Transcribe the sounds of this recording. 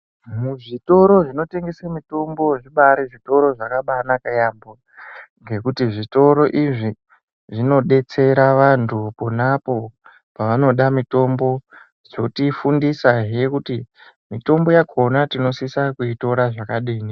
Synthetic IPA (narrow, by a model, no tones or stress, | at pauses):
muʐito̞ɾo̞ʐino̞te̞ŋɡesamito̞mbo̞ʐiɓaɾiʐito̞ɾo̞ʐakaɓanakajambo | ŋɡe̞kutiʐito̞ɾo̞ʔiʐi | ʐino̞ɗe̞t͡se̞ɾaʋantʰuponapo̞ | paʋano̞ɗamito̞mbo̞ | d͡zo̞tifundisaɦekuti | mito̞mbo̞jakʰo̞natino̞sisakuito̞ɾaʐakaɗiːni